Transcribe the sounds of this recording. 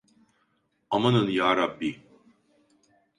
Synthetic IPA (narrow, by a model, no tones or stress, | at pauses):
amanɯnjaːɾabːi